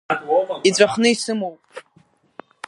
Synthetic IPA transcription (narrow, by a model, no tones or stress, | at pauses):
it͡sʷʼaχnɨisɨmowpʼ